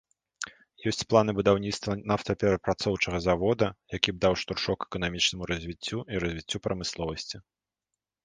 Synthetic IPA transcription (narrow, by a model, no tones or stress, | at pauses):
jɔsʲt͡sʲplˠan̪ɨbud̪awnʲit̪st̪vɐnawt̪ɐpʲɛɾɐpɾat̪sɔwt͡ʂɐɣɐzavɔd̪ɐjakʲib̚d̪awʂt̪urʂɔkɛ̥kɐn̪amʲit͡ʂnɐmuɾɐzʲvʲit͡sʲːuiɾɐzʲvʲit͡sʲːupɾɐmɨslˠɔvɐsʲt͡sʲi